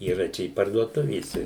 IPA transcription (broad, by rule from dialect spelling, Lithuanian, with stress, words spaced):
iːˈrɐ ˈt͡ʃʲɛ ɪ pɐrduɔˈtʊʋʲeːsʲɛ